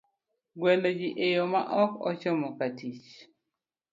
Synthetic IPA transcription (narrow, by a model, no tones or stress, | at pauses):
ɡwɛlod͡ʒiʔejomaʔɔkɔ̰t͡ʃomɔkatit͡ʃ